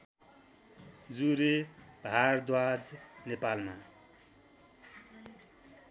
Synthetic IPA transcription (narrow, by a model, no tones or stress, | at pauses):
d͡zuɾeb̥ʱard̪wad͡znepalma